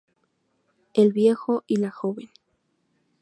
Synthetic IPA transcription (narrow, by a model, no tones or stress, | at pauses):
elβjexoʔilaxoβen